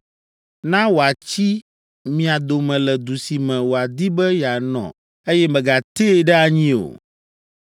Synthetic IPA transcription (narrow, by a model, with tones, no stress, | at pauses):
nã˦wo˨a˨t͡ɕi˦ | mĩ˨a˨d̪o˨mɛ̃˨lɛ˨d̪u˨si˨mɛ̃˨wo˨a˨d̪i˦bɛ˦ja˨nɔ̰̃˨ | e˦jɛ˦mɛ̃˨ɡa˨t̪e˦ɖɛ˦a˨ɲĩ˦o̰˨